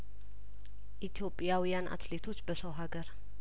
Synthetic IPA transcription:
ʔit̪ʰjo̞pʼːjawijanʔa̰t̪le̞t̪ʰo̞t͡ʃːbəsəwɦaɡəɾ

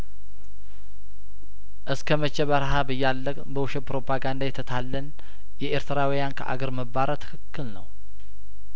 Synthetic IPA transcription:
ʔɨskʰəmət͡ʃːɛβəɾɦabɨjːalːəkʼbəwuʃɛpɾo̞pʰaɡand̪ajɛt̪ʰːət̪ʰalːən | jɛʔeɾt̪ʰɨɾawijankʰəʔa̰ɡəɾməbaɾət̪ʰɨ̥kʰɨkːɨlnəw

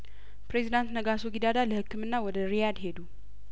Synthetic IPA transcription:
pɾe̞zid̪ant̪nəɡasoɡid̪ad̪aləhɨkːɨmɨnːawɔd̪əɾijad̪he̞d̪u

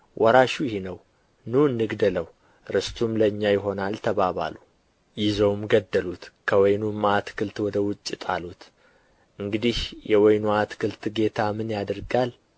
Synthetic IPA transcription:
wʔɔɾaʃujɪhinəw | nuɨnːɨɡd̪ələw | ɾɨst̪ʰumləɨɲːajɪɦo̞nalt̪ʰəβaβa̰lu | jɪzowmɡəd̪ːəlut̪kʰəwɔjnumat̪kʰɨlt̪wɔd̪əwʊt͡ʃʼːɪt̪ʼalut̪ | ʔɨŋɡɨd̪ihjɛwɔjnuat̪kʰɨlt̪ɡe̞t̪ʰamɨnjad̪ɨɾɡal

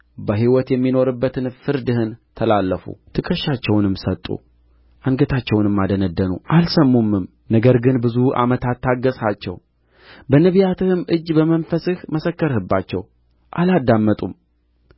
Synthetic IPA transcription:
bəɦiwɔt̪jɛmːino̞ɾɨbːət̪ʰɨnfɨɾd̪ɨhɨnt̪ʰəlalːəfṵt̪ʰɨkʼəʃːat͡ʃːɛwnɨmsət̪ʼːṵ | ʔaŋɡət̪ʰat͡ʃːɛwnɨmːad̪ənəd̪ːənuʔalsəmːumːɨm | nəɡəɾɡɨnbɨzuʔa̰mət̪ʰat̪ːaɡəsat͡ʃːɛ̰w | bənəβijat̪ɨhɨmʔɨd͡ʒːbəmənfəsɨhməsəkːəɾhɨbːat͡ʃːɛ̰w | ʔalad̪ːamːət̪ʼum

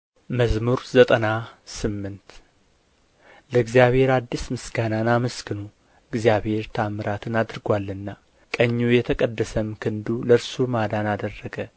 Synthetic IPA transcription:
məzmuɾzət̪ʼənasɨmːɨnt̪ | ləɨɡzijaβhe̞ɾad̪ːismɨsɡananaməskʰɨnu | ɨɡzijaβhe̞ɾt̪ʰamɨɾat̪ʰɨnad̪ɾɨɡwalːɨnːa | kʼəɲːujɛt̪ʰəkʼəd̪ːəsəmkʰɨnd̪uləɾsumad̪anad̪ərːəɡə

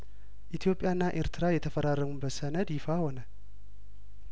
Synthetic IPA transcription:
ʔit̪ʰijo̞pʼjanːaʔeɾt̪ʰɨɾajɛt̪ʰəfəɾarːəmubəsənəd̪jɪfaho̞nə

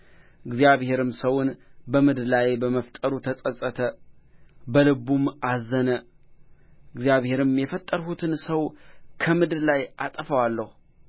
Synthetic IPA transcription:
ʔɨɡzijaβhe̞ɾɨmsəwʊnbəmɨd̪lajbəməft̪ʼəɾut̪ʰəsʼəsʼət̪ʰə | bəlɨbumazːənə | ɨɡzjaβhe̞ɾɨmjɛfət̪ʼːəɾɦut̪ʰɨnsəwkʰəmɨd̪ɾlajʔat̪ʼəfəwalːəhu

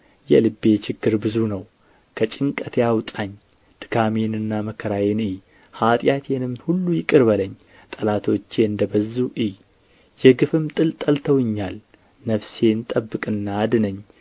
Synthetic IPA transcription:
jɛ̰lɨbːe̞t͡ʃɪɡːɨɾbɨzunəw | kʰət͡ʃʼɪŋkʼət̪jawt̪ʼaɲː | d̪̥ɨkʰamenɨnːaməkʰəɾajenɨj | hat̪ʼjat̪ʰenɨmhulːujɪkʼɨɾbələɲː | t̪ʼəlat̪ʰo̞t͡ʃːeɨnd̪əbəzːuʔɨj | jɛɡɨfɨmt̪ʼɨlt̪ʼəlt̪ʰəwɨɲːal | nəβse̞nt̪ʼəbːɨkʼɨnːaːd̪ɨnəɲː

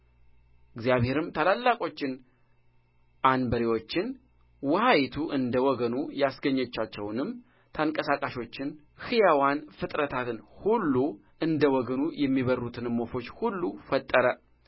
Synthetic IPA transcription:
ʔɨɡzjaβhe̞ɾɨmt̪ʰalalːakʼo̞t͡ʃːɪn | ʔanbəɾiwo̞t͡ʃːɪn | wɔhajit̪ʰuʔɨnd̪əwɔɡənujasɡəɲːɛt͡ʃːat͡ʃːɛwnɨm | t̪ʰaŋkʼəsakʼaʃo̞t͡ʃːɪn | hɨjawanfɨt̪ʼɾət̪ʰat̪ɨnhulːu | ʔɨnd̪əwɔɡənujɛmːiβərːut̪ʰɨnmːo̞fo̞t͡ʃːhulːufət̪ʼːəɾə

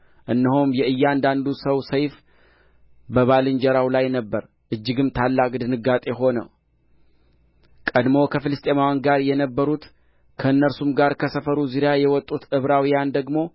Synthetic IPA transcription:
ʔɨnːɨhomjɛɨjːand̪and̪usəwsəjf | bəβalɨnd͡ʒɛɾawlajnəbːəɾ | ʔɨd͡ʒːɪɡɨmt̪ʰalːakʼd̪ɨnɨɡat̪ʼe̞ɦo̞nə̰w | kʼəd̪mo̞kʰəfɨlɨst̪ʼemawɔnɡaɾjɛnəbːəɾut̪ | kʰəɨnːəɾsumɡaɾkʰəsəfəɾuzɨɾjajɛwɔt̪ʼːut̪ɨβɾawijand̪əɡmo̞

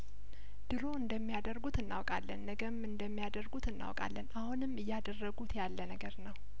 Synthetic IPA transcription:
d̪̥ɨɾo̞ɨnd̪əmːijad̪əɾɡut̪ɨnːa̰wkʼalːənːəɡəmɨnd̪əmːijad̪ərɡut̪ɨnːa̰wkʼa̰lːənahunɨmːɨjːad̪ərːəɡut̪jalːənəɡəɾnəw

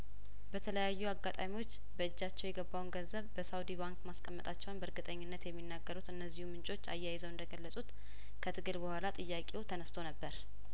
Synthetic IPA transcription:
bət̪ʰələjajːuaɡːat̪ʼamiwo̞t͡ʃː | bəɨd͡ʒːat͡ʃːɛwjɛɡəbːawnɡənzəβbəsawd̪iβaŋkmaskʼəmːət̪ʼat͡ʃːɛwnbəɾɡɨt̪ʼəɲːɪnːət̪jɛmːinːaɡːəɾut̪ɨnːəzːihumɨnt͡ʃʼo̞t͡ʃːa̰jːajɪzəwɨnd̪əɡəlːəsʼut̪ | kʰət̪ʰɨɡɨlbəhʷalat̪ʼɨjːakʼewt̪ʰənəst̪ʰo̞nəbːəɾ

